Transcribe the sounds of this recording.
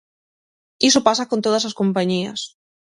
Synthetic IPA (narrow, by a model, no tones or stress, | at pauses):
isopasakont̪oð̞as̬askompaɲiɐ̰s